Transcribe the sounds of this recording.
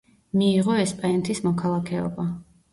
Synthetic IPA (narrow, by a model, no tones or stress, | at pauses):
miːʁɔɛspʼaɛnt̪ʰismɔkʰalˠakʰɛɔ̰ba